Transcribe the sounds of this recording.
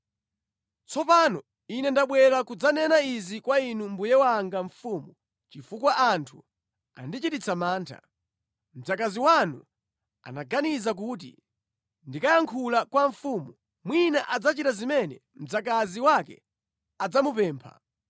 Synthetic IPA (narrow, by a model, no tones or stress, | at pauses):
t͡sʰɔpanɔ | inɛndaɓwɛɾakud͡zanɛnaizikwainumbujɛwaŋɡaɱfuːmu | t͡ʃifukwaʔantʰu | a̰ndit͡ʃitit͡sʰamaːntʰa̰ | m̩d͡zakaziwanu | a̰naɡanizak̬uːt̬ḭ | ndikajaŋkʰulakwaɱfumu | mwinaʔad͡zat͡ʃitazimɛnɛ̰m̩d͡zakaziwakɛ̰ | ad͡zamupɛːmpʰa̰